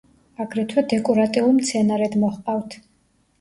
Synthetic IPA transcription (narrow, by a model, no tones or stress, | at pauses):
aɡɾɛt̪ʰwɛd̪ɛkʼɔɾat̪ʼiulimt̪sʰɛnaɾɛd̪mɔχqʼawt̪ʰ